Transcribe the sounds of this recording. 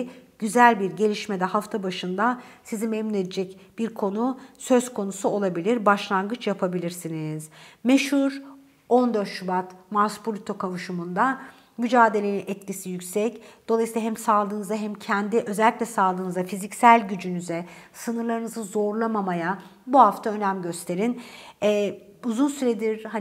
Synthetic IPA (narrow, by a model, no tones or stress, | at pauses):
ɟ̥yzælʲbiɾɟe̞lʲiʃme̞d̪ɛhaft̪ʰabaʃɯnd̪asizimemːine̞d̪ed͡ʒɛcbiɾkʰo̞nusø̞z̥kʰo̞nusuo̞lˠabilʲiɾbaʃlˠanɡɯt͡ʃʰjapʰabilʲiɾsiniz̥meʃhuɾ | o̞nd̪øɾt̪ʃubat̪maspʰolʲit̪ʰo̞kʰavuʃumund̪a | myd͡ʒaːd̪e̞lʲe̞ninɛt̪̚lʲisijycʲsɛcd̪̥olˠajsiːlˠaɦɛmsaːlˠɯːnɯzaɦɛmcʰɛnd̪iʔø̞zɛlʲːiclʲɛsaːlˠɯːnɯzafizicsælʲɟyd͡ʒynyzɛsɯnɯɾlˠaɾɯnɯzɯzo̞ɾlˠamamajabuɦaft̪ʰaø̞næmɟø̞st̪ʰeɾinɛ | uzunsyɾɛd̪iɾha